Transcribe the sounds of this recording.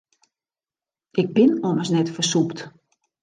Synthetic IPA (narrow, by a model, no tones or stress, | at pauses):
ɪɡ̚bɪnɔməsnɛtfəsupt